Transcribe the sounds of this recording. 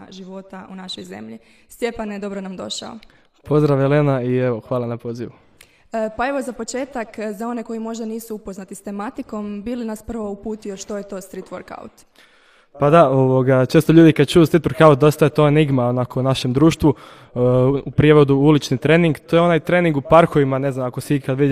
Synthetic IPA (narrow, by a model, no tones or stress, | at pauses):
ʒiʋo̞t̪aunaʃo̞jze̞̰mʎi | st̪jepaned̪o̞bɾonamd̪o̞̰ʃa̰o̰ | po̞zd̪ɾaʋjelenaieʋo̞xʋaːlˠanapo̞ːziʋu | pae̞ʋo̞zapo̞t͡ʃe̞ːt̪akzao̞ne̞ko̞jimo̞ʒd̪aniːsuupo̞znat̪ist̪e̞mat̪iko̞mbilinaspr̩ʋo̞upuːt̪ijo̞ʃt̪o̞jet̪o̞ːst̪ɾit̪ʋoɾka̰ut̪ | pad̪aoʋoɡat͡ʃest̪o̞ʎuːd̪ikad̪̚t͡ʃujuːst̪ɾit̪ʋoɾkaut̪̚d̪o̞st̪ajet̪oeniɡmaonako̞unaʃe̞md̪ɾuːʃt̪ʋu | upɾijeʋo̞d̪uulit͡ʃnit̪ɾeːniŋɡt̪ojeo̞naːjt̪ɾeːniŋɡupaɾxoʋimane̞znamakosikad̪ʋid̪